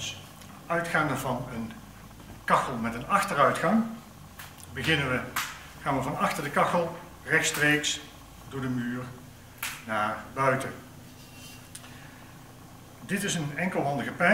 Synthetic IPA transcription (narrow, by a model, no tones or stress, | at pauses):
œɥtχaːndəɹvɑnən | kɑxəlˠmɛtənɑxtərœɥtχɑŋ | bəɣɪnəʋə | χaːnʋəvɑnɑxtəɹdəkɑxəlˠ | rɛxtstrejks | doːɹdəmyːr | naːɹbœɥtə | dɪtɪsənɛŋkəlˠɦɑndəɣəpɛ